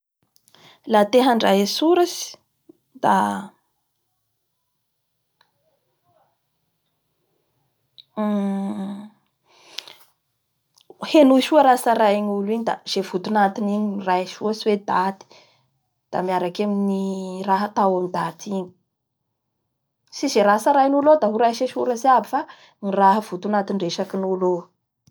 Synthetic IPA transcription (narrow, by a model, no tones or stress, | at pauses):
lat̪eɦaɳɖ͡ʐajesuɾasi̥ | d̪̥a̰ | henuʃuaɾasaɾaiɲuliɲid̪a̰z̥evut̪unat̪iniɲiirajʃuəswed̪at̪i̥ | d̪̥a̰miaɾakaminiraɦət̪awamind̪at̪iɲi̥ | sizeɾasəɾajnulod̪aɦuɾaʃeʃuɾəsiabifa | niraɦəv̥ut̪unat̪inreʃakinulo